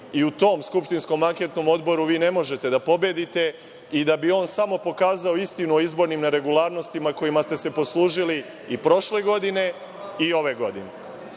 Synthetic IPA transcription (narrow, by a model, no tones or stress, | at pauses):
iut̪o̞ːmskupʃt̪insko̞maŋke̞t̪no̞mo̞d̪bo̞ɾuʋiːne̞mo̞ʒe̞t̪e̞d̪apo̞be̞d̪it̪e̞ | id̪abio̞ːnsamo̞po̞kaːzao̞ist̪inuoizbo̞ɾnimneɾe̞ɡulˠaːɾno̞st̪imako̞jimast̪ese̞po̞slˠuːʒili | ipɾo̞ʃle̞ɡo̞d̪ine̞ | io̞ʋe̞ɡo̞d̪ḭne